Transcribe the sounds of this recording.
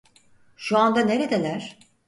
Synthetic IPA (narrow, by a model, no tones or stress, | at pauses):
ʃuand̪ane̞ɾe̞d̪elʲæɾ̥